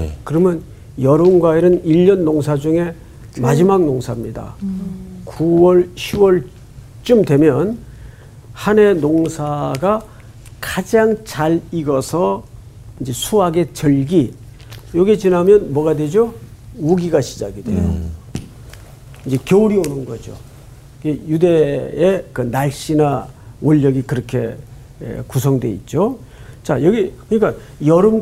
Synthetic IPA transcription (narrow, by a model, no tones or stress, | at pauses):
kɯɾʌmjʌn | jʌɾonɡwaiɾɯniʎːʌnːoŋsʰad͡ʑuŋe̞ | mad͡ʑimaɡ̚noŋsʰamɲida̰ | kuwʌɭɕʰiwʌɭ | t͡ɕ͈ɯmdwe̞mjʌn | hane̞noŋsʰaɡa | kad͡ʑaŋt͡ɕaɾiɡʌsʰʌ | ind͡ʑe̞sʰuaɡe̞t͡ɕʌɭɡi | jʌɡet͡ɕinɦamjʌnmwʌɣadwe̞d͡ʑo | uɡiɡaɕʰid͡ʑaɡidwe̞̰jo̰ | ind͡ʑe̞kjouɾionɯnɡʌd͡ʑo̰ | ɡejude̞ekɯnaɭɕ͈inawʌʎːʌɡikɯɾʌkʰe̞̰ | kusʰʌŋdwe̞it̚t͡ɕ͈o | t͡ɕajʌɡikɯɲik͈a | jʌɾɯm